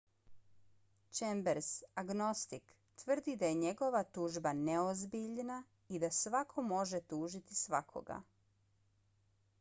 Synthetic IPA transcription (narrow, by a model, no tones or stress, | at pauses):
t͡ʃembeɾsaɡno̞st̪ik | t̪ʋr̩d̪id̪aje̞ɲe̞ɡo̞ʋat̪uːʒbaneozbiʎna | id̪asʋakʰo̞mo̞ʒet̪uːʒit̪isʋakʰo̰ɡa̰